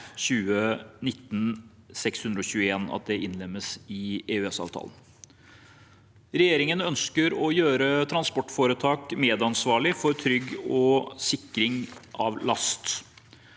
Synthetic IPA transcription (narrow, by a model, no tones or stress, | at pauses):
ɕʉːənɪt̪ːn̩ | sɛkshʉnd̪ɾəɔçʉːəeːnɑ̰t̪̚d̪ɛʔɪnlɛmːəsɪeːʉːɛsɑ̰ːʋt̪ʰɑ̰ːlən | ɾɛjeːɾɪŋənœnskəɾɔjøːɾət̪ʰɾɑnspɔʈːfoːɾət̪ʰɑːkmeːd̪ɑnsʋɑːɭɪfɔɾt̪ʰɾʏɡːɔsɪkːɾɪŋʔɑ̰ʋlɑst̪